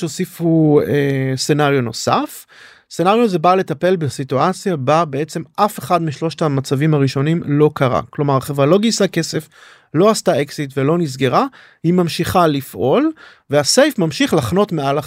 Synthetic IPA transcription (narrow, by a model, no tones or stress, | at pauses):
osifuese̞naʁjono̞sa̰f | senaʁjozebale̞t̪ape̞lbesit̪uat͡sjababe̞e̞t͡se̞mʔafe̞χad̪miʃlo̞ʃt̪amat͡savimaʁiʃo̞nimlo̞kaʁa̰klo̞maʁχevʁalo̞ɡisake̞se̞f | lo̞ast̪aʔeksitvelo̞niz̬ɡe̞ʁa | himamʃiχalifʔo̞l | veasejfmamʃiχlaχno̞t̪meala